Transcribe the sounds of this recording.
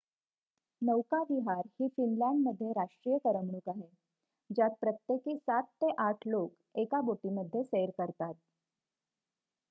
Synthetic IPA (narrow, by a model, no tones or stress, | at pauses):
nəwkaʋiɦaɾhiːfinlaɳɖməd̪ʱːjeɾaʂʈɾiːjək̪əɾəmɳuːkaɦe | d͡ʑjat̪̚pɾət̪jekiːsat̪ːeʔaʈʰlok | ekaboʈiməd̪ʱːjeseɾkəɾt̪at̪̚